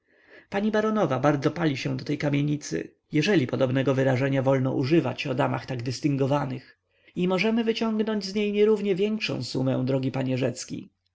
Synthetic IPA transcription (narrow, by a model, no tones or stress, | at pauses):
paɲibaɾɔnɔvabaɾd̪zɔpalʲiɕɛ̃d̪ɔt̪ɛjkamʲjeɲit̪sɘ̰ | jɛʐɛlʲipɔd̪ɔbnɛɡɔvɘɾaʐɛɲavɔlnɔ̰ʔuʐɘva̰t͡ɕɔd̪ama̰xt̪aɡd̪ɘst̪ɘŋɡɔvanɘx | imɔʐɛmɘvɘt͡ɕɔŋɡnɔɲd͡ʑzɲejɲɛɾuvɲɛvʲjɛŋkʂɔ̰̃w̃sumɛ̰̃w̃d̪ɾɔɡʲipaɲɛʐɛt̪skʲḭ